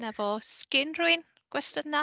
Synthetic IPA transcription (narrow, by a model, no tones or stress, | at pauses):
nɛvɔskɪnruɨn | ɡ̥wɛstəna